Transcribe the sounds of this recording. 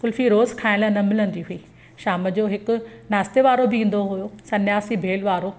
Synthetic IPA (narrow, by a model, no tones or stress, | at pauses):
kʊlfiɾoːzkʰaːɪ̃lənɐmɪlə̃nd̪iɦʊiː | ʃaːməd͡ʑoːɦɪkʊ̆naːst̪eʋaːɾobɪĩːn̆d̪oɦʊjosɐnjaːsibʱeːlʋaːɾo